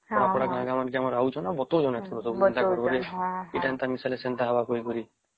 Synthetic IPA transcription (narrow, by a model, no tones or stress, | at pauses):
ɔɽakɔɽaɡaãɡamankiamɔɾaut͡ʃʰɔnabɔt̪od͡ʒɔnɛt̪ʰɔɾɔsɔbusnt̪akɔɾɔɾeeʈaent̪amisalesɛnt̪aɦabakɔikɔɾi